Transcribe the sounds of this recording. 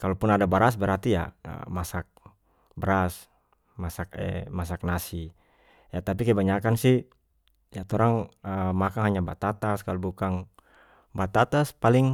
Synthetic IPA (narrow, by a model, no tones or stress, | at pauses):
kalopʊnadabaɾas̬bəɾart̪ija̰ə̰masak̚ | bəɾas | masak̚ɛ̰mas̬ak̚nasi | jat̪ap̬ikaɛbaɲakansɪh | jat̪oɾaŋəmakaŋɦaɲabat̪at̪askalobukaŋ | bat̪at̪aspalɪŋ